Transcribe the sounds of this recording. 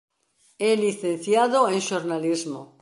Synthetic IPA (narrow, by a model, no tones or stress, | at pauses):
ɛliθẽn̟θjaðoẽŋʃoɾnalizmo